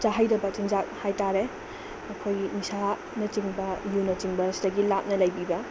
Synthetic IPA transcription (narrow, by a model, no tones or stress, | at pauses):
t͡ʃaɦajdɐbɐt͡ʃiŋd͡ʒak̚hajtaɾe | ɐkʰojnisa | nɐt͡ʃiŋbɐjunɐt͡ʃiŋbɐstɐɡilap̚nɐlɐjbibɐ